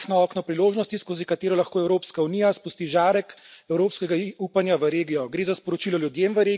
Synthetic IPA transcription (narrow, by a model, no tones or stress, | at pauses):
xnɔɔːknɔpɾiloːʒnɔst̪iskoːzikat̪eːɾɔlaxkoːɛwɾoːpskaunijaspust̪iʒaːɾɛkɛwɾoːpskɛɡauːpanjaʋəɾeːɡijɔɡɾeːzaspɔɾɔt͡ʃilɔljud̪jemʋəɾe